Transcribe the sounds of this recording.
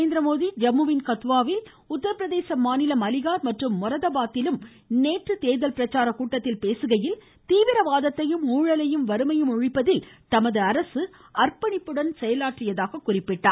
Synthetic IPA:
eːnd̪ɾɐmoːðid͡ʒɐmːuʋɪnkɐt̪ʋaːʋɪl | ʊt̪ːɐɾɐpːɾɐðeːsɐmːaːnɪlɐmɐlɪɣaːɾmɐʈrɯmːʊɾɐðɐbaːt̪ːɪlɯm | neːʈrɯt̪eːðɐlpɪɾɐt͡ʃːaːɾɐkuːʈːɐt̪ːɪlpeːsɯɣɐjɪl | t̪iːʋɪɾɐʋaːðɐt̪ːɐjɯmuːɻɐlɐjɯmʋɐɾɯmɐjɯmʊɻɪpːɐðɪlt̪ɐmɐðɯɐɾɐsɯ | ɐrpɐɳɪpːɯɽɐnsɛjɐlaːʈrɪjɐðaːɣɐkːʊrɪpːɪʈːa̰ː

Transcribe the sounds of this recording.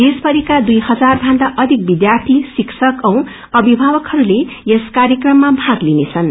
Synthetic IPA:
d̪espʌɾikad̪ujhʌd͡zarbʱand̪aʔʌd̪ʱik̚bid̪jart̪ʰisiksʰʌkʌw̃ | ʌbʱibʱabʌkhʌɾulejeskaɾjekrʌmːabʱãɡlinet͡sʰʌn

